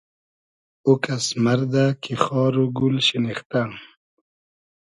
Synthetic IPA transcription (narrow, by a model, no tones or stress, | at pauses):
ukasmaɾd̪akʰixɑːɾuɡulɕinixt̪a